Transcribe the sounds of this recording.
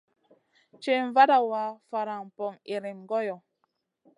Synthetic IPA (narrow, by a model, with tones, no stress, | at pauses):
t͡ʃe˨ɱ˨va˦da˨wa˨˦fa˨ɾa˨m̩˨pɔ˨ŋi˨ɾi˨mɡɔ˦jɔ˨